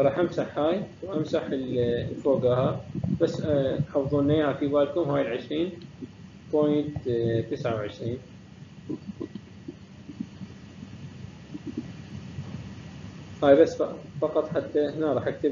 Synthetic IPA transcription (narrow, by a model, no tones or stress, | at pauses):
ɾˤɑːħʔamsaħhaːjwʔamsaħɪllfoːɡahabasːħɑːfðˤuːnːeːhafiːbaːlkʊmhaːjɪlʕɪʃɾiːn | poːjnt̪t̪ːɪsʕawʕɪʃɾiːn | haːjbasːfɑqɑt̪ˤħat̪ːaʔɪhnaɾˤɑːħʔak̚t̪ɪb